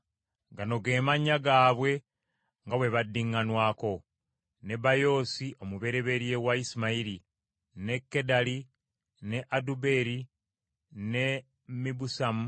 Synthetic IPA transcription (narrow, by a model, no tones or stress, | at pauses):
ɡano̞ɡe̞ːmaɲːaɡaːβwe̞ | ŋɡawe̞βadːiŋːanwaːko̞ | ne̞bajo̞ːsiʔo̞muβe̞ɾe̞βe̞ɾje̞waisimaiɾi | ne̞kːe̞dali | ne̞ʔadube̞ɾi | ne̞ | mibusamu